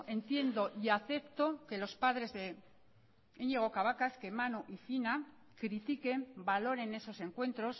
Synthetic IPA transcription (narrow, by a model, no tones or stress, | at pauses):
e̞nt̪je̞nd̪o̞ʔiaθe̞pt̪o̞ke̞lo̞spaðɾe̞zðe̞ | eɲeɣ̞o̞kaβakaske̞manoʔifina | kɾit̪ike̞mbalo̞ɾe̞ne̞so̞se̞ŋkwe̞nt̪ɾo̞s